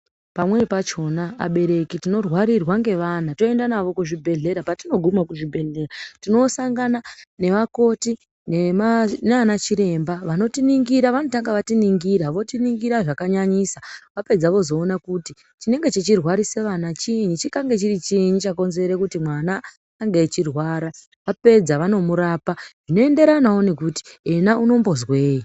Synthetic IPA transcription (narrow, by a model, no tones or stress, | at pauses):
pamwe̞pat͡ʃo̞na̰ːɓe̞ɾe̞kitino̞rwaɾirwaŋɡe̞ʋanato̞e̞ndanaʋo̞kuʐibʱe̞ɮe̞ɾapatino̞ɡʱumakuʐibʱe̞ɮe̞ɾatino̞saŋɡanane̞ʋako̞ti | neneanat͡ʃiɾe̞mbaʋano̞tiniŋɡiɾaʋano̞taŋɡaʋatiniŋɡiɾaʋo̞tiniŋɡiɾaʐakaɲaɲisaʋape̞d͡zaʋo̞zo̞ːnakuti | t͡ʃine̞ŋɡe̞t͡ʃet͡ʃirwaɾise̞ʋanat͡ʃiɲut͡ʃikaŋɡe̞t͡ʃirit͡ʃiɲut͡ʃako̞nze̞ɾekutimwanaː | ŋɡet͡ʃirwaːɾa | ʋape̞d͡zaʋano̞muɾaːpaʐ̥ino̞e̞nde̞ɾanawonekuti̥enauno̞mbo̞zwe̞ːji